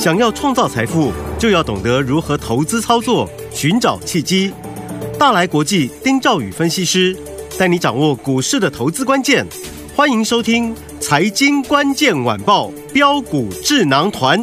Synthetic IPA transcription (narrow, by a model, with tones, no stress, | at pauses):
ɕjɑ˨˩ŋjɑ˥˧ʊʈ͡ʂʰwɑ˥˧ŋt͡sɑ˥˩ʊt͡sʰa˧˥ɪfu˥˩t͡ɕjo˥˧ʊjɑ˥˩ʊt̪ʊ˨˩ŋt̪ɤ˧˥ɻu˧˥xɤ˧˥t̪ʰo˧˥ʊt͡sɹ̩˥t͡sʰɑ˥ʊt͡swɔ˥˩ | ɕy˧˥nʈ͡ʂɑ˨˩ʊt͡ɕʰi˥˩t͡ɕi˥ | t̪a˥˩la˧˥ɪkwɔ˧˥t͡ɕi˥˩t̪i˥ŋʈ͡ʂɑ˥˩ʊy̰˨˩fə˥nɕi˥˧ʂɻ̩˥ | t̪a˥˩ɪni˧˥ʈ͡ʂɑ˨˩ŋwɔ˥˩ku˨˩ʂɻ̩˥˩d̪ə˩t̪ʰo˧˥ʊt͡sɹ̩˥kwa˥nt͡ɕjɛ˥˩n | xwa˥ni˧˥ŋʂo˥ʊt̪ʰi˥ŋ | t͡sʰa˧˥ɪt͡ɕi˥nkwa˥nt͡ɕjɛ˥˩nwa̰˨˩npɑ˥˩ʊ | pjɑ˥ʊku˨˩ʈ͡ʂɻ̩˥˩nɑ˧˥ŋt̪ʰwa˧˥n